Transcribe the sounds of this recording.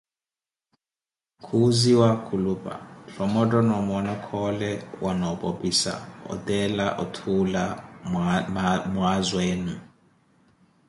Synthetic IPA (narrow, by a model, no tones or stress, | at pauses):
kʰuziwakʰulupʼa̰ɬɔmɔtʼɔnɔmɔnakʰɔlɛwʔanɔbʼopʼisa̰ɔ̰tʼɛlaʔɔtʰula | muazweːnu